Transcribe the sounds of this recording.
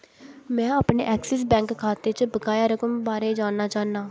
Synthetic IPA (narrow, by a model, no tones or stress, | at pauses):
mɛ̃ːaːpneːʔɛːksɛs̬bɛ̃ːŋkkʰːaːt̪eːt͡ʃbəkaːjaːɾəkəmbaːɾeːd͡ʒaːnaːt͡ʃaːnd̪aː